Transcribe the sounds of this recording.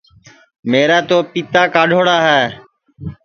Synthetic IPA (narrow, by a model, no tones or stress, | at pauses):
meːɾaːt̪oːpit̪aːkaːɖʱoːɽaːɦɛː